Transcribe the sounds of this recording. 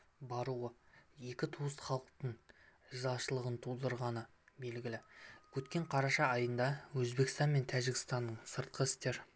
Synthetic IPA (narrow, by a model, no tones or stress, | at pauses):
bɑɾuwəje̞kʲɪt̪ʰuəsχɑlˠəq̚t̪əɴəzɑʃəlˠəʁənt̪ʰulˠd̪əɾʁɑnə | be̞lɡʲɪlɪkʲʰɵt̪kʲe̞ɴqʰɑɾɑʃɑːjənd̪ɑwɵzbe̞kʲɪst̪ɑnme̞nt̪ʰæʒɪkʲɪ̥st̪ɑnːəɴsəɾt̪̚qʰəɪst̪e̞ɾ